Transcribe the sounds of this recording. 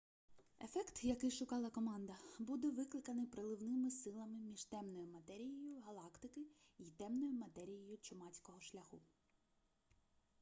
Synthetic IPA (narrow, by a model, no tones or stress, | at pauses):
e̞fɛkt̪jɐkɪjʃʊkɑlˠɐkɔmɑnd̪ɐbud̪ɛʋɪklˠɪkɐnɪpɾelˠɪwnɪmɪsɪlˠɐmɪmʲiʒt̪ɛmnɔjʊmɐt̪ɛɾʲijɔjʊɦɐlˠɑkt̪ɪkɪ | it̪ɛmnɔjʊmɐt̪ɛɾʲijɔjʊt͡ʃɔmɑt͡sʲkɔɦɔʃlʲɐxṵ